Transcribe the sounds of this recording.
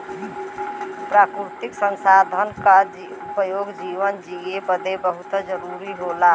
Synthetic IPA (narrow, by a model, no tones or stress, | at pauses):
pɾakɾut̪iksənsad̪ʱənka | upəjoɡd͡ʒiʋənd͡ʒiebəd̪ebəɦut̪d͡ʒəɾuɾiɦola